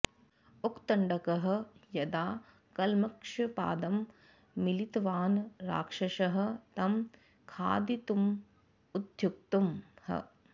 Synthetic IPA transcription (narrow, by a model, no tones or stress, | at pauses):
ukt̪ɐɳɖɐkɐɦɐ̆jɐd̪aː | kɐlmɐkʂɐpa̰ːd̪ɐmː | ilit̪ʋaːnɾa̰ːkʂɐʃɐɦɐ̆t̪ɐm | kʰa̰ːd̪it̪um | ud̪ʱjuk̚t̪umhɐ̰